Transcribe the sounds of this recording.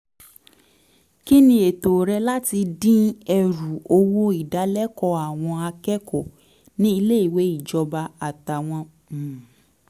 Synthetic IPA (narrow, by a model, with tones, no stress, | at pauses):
ki˦nĩ˧e˨to˨ɾɛ˧la˦ti˧dĩ˦ɛ˧ɾu˨o˧wo˦i˦˨da˨˦lɛ˦kɔ˧a˨w̃ɔ̃˧a˧kɛ˦kɔ˨ | nĩ˦i˧le˦i˦˨we˨˦i˦˨d͡ʒɔ˧ba˧a˨ta˨w̃ɔ̃˧˨